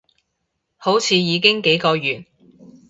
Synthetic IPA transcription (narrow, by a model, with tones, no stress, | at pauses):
ho˨˥wt͡sʰiː˨˧jiː˨˧k̬ɪ˥ŋke˨˥jkɔː˧jyː˨˩n̚